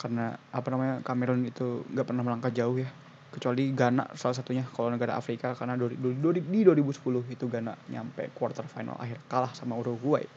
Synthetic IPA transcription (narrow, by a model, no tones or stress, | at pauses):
karnaːpanamaɲakamɛɾɔnit̪uŋɡaʔpərnahməlaŋkad͡ʒaʊhja | kə̥t͡ʃualiɡana̰ʔsalas̬at̪uɲakalanəɡaɾa̰ʔa̰fɾikakarnadddɾididuaɾibusə̥pulʊhit̪uɡanaʔɲa̰mpa̰kuwart̪ərfajna̰la̰ɦɪrkalahsamauɾuɡua̰j̰